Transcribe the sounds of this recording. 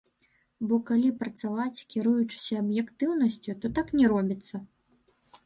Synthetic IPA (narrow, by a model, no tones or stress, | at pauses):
bɔkalʲipɾɐt̪savat͡sʲkʲiɾujut͡ʂɨ̥sʲɐːbjɛkt̪ɨwnɐsʲt͡sʲut̪ɔt̪aknʲɛɾɔbʲit̪sːɐ